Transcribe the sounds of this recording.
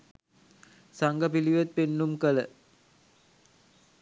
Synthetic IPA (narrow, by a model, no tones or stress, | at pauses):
saŋɡəpiliʋet̪̚penːumkələ